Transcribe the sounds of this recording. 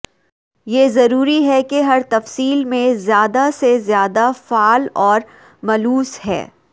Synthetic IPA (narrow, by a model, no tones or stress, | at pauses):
jeːzɐɾuːɾiɦɛkeɦɐɾt̪ɐfsiːlmẽzjaːd̪asezjaːd̪afaːlɔːɾ | mɐluːsɦɛ̰ː